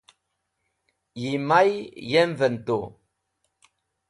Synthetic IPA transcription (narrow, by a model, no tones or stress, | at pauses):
jimajjɛɱvənto